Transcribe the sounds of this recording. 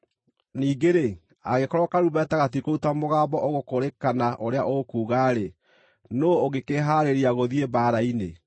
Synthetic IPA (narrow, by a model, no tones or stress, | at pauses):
niːɡeɾe | a̰ɣekɔɾɔkaɾuβɛtaɣat̬ikoutamoɣaːbɔʔoɣokoɾekanaʔoɾea̰ʔokuːɣaɾe | nooɣekeɦaɾeɾiaɣoðiebaːɾaine